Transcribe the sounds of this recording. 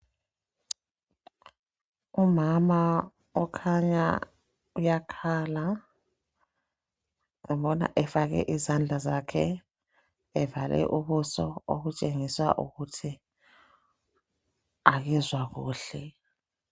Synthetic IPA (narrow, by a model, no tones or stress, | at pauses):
umama | ɔkʰaɲa̰ | ujakʰaːla | ŋɛmɓɔna̰ʔɛfaɣɛ̰ʔizand͡ɮʱazakʰɛ | ɛvalʔɛ̰ʔuβusɔoɣut͡ʃʼeŋiswa̰ʔuɣutʰi | aɣizwaɣṵːɬɛ